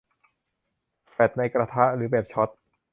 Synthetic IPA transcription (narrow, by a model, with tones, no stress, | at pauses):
fɛ˨˩t̪̚na˧jkɾaː˧t̪ʰa˦˥ʔɾɯː˩˦beː˨˩p̚t͡ɕʰɔ˦˥t̪̚